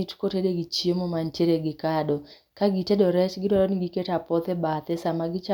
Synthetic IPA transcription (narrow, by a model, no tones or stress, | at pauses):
itkotedeɡit͡ʃemomantjeɾeɡɪkadɔ | kaɡitedɔɾɛt͡ʃɡɪdɔɾɔnɡiketapɔt̪ɛbat̪ɛsamaɡɪt͡ʃa